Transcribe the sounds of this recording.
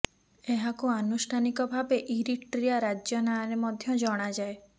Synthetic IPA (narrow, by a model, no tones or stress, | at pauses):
eɦakuanusʈʰanikɔbʱabeʔiɾiʈʈɾijaɾad͡ʒjɔnaɾemɔd̪ʱjɔd͡ʒɔɽ̃ad͡ʒae